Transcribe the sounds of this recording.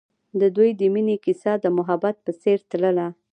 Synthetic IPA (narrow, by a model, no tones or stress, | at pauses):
d̪əd̪ujd̪əminikisɑd̪əmʊɦabat̪̚pəseɾt̪ləla